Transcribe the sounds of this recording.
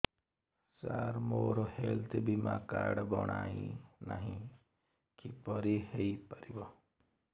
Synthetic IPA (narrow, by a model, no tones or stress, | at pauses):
saɾmoːɾohelt̪ʰebimakaːɾɖbɔɽ̃a̰ːĩna̰ɦĩ | kipɔɾiheipaɾibɔ